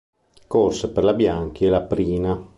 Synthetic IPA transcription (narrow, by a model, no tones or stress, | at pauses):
korseperlabjaŋkielapɾiːna